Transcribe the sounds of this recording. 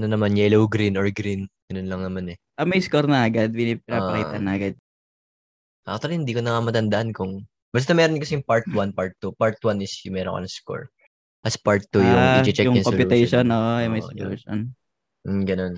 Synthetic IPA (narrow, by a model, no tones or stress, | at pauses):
ɐnɐnɐmanjɛlowɡɾinoɹɡɾinɡ̥ɐnonlɐŋnɐmanɛ | ʔɐmɐjskoɾnɐɐɡad̪̚pɪip̚ɪnaɐkijt̪ɐnːɐʔɐɡad̪̚ | ʔat̪olihɪnd̪iːkonɐŋamɐt̪ɐnd̪ɐʔɐnkʊŋ | bɐs̬t̪ɐmɛːɾonkɐsɛjʊŋpaɹt̪wanpaɹt̪ːupaɹt̪wanɪsjʊŋmɛːɾo̰ŋkɐ̰nɐŋsko̰ɹ | ʔɐspaɹt̪ːujʊid͡ʒɛt͡ʃɛjʊŋkopɪɛjʃonʔoːʔojʊŋmɐjsʊlṵːʃo̰n | m̩ɡɐnon